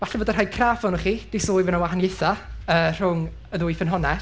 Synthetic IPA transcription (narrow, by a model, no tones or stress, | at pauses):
vaɬɛboːdər̥haːjkʰraːfɔnʊχiːd̥ɪsoːjvənawaɦanjɪθaəːr̥ʊŋ | əðʊjfənɦɔnɛ